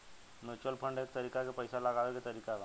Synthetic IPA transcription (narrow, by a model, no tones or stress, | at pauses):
mut͡ɕəlpʰəɳɖekt̪əɾikakepəjsalaɡaʋeket̪əɾikaʋa